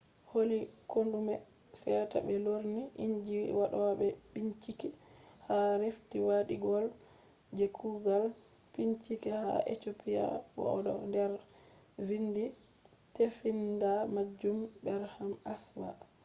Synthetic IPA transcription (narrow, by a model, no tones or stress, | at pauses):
holikondumɛ | sɛta̰bɛloɾniʔiɲd͡ʒiwaɗɔwabɛbiɲt͡ʃikɛhaɾeftiwaɗiɡɔl | d͡ʒekʰuɡal | piɲt͡ʃikɛha̰ʔḛtopija̰bɔ̰ɔdɔ̰ndɛɾ | vindi | tefindamad͡ʒumbɛɾhamaswa̰